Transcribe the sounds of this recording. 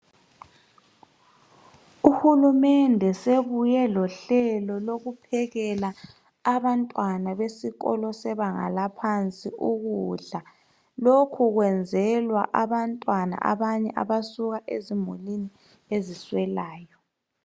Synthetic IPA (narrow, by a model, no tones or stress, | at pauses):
uhulumɛndʱɛseβujɛlɔɬɛlɔloɣupʰɛɣɛlaː | βantʼwanaβesiɣɔ̰lɔsɛβaŋa̰lapʰant͡sʼiʔuɣuɮa | lokʰuɣwɛnd͡zʱɛlwaʔaβantʼwana̰ʔa̰βaɲɛ̰ʔa̰βasuɣaʔezimulini | eziswɛlaːjɔ